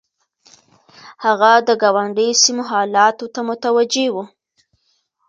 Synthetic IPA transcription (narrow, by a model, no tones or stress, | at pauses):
haɣad̪əɡɑwaɳɖəjsimoɦɑlɑt̪ot̪amʊt̪awad͡ʒewu